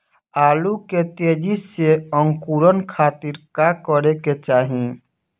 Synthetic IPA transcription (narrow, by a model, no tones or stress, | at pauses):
aːluket̪eːd͡ʒiseə̃ŋkuɾənkʰaːt̪iɾkakəɾeket͡ʃaːɦĩ